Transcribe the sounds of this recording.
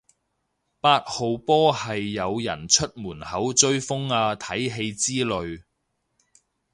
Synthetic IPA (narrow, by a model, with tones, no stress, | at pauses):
paː˧t̚ho˨wpɔː˥hɐ˨jːɐ˨˧wjɐ̰˨˩nt͡ʃʰɵ˥t̚muː˨˩nhɐ˨˥wt͡ʃɵ˥ɥfʊ˥ŋaː˧t̪ʰɐ˨˥jɦe˧jt͡siː˥lɵ˨˧ɥ